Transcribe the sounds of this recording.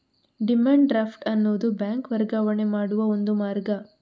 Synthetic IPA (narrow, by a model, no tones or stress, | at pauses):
ɖimaːɳɖɖɾaːpʰʈɐnːuːd̪ubjaːŋkʋɐɾɡaːʋɐɳemaːɽuʋɐond̪umaːɾɡɐ